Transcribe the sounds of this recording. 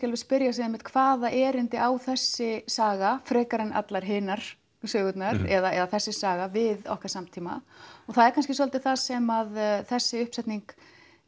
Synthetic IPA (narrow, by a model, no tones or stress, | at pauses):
cɛlvɪðspɪɾjasɪɛmɪht̪kʰvaːðaʔɛɾɪnt̪ɪʔawθɛsːɪsaːɣafɾɛːkaɾɛna̰t̪laɾ̥ɦɪːnaɾ̥ | sœːɣʏt̪naɾɛðaɛðaθɛsːɪsaːɣavɪðɔ̰hkvḁsamt̪ʰiːma̰ɔɣθaðɛɾkʰans̬cɪsɔlt̪ɪθasɛmaðθɛsːɪʏhpsɛjt̪niŋk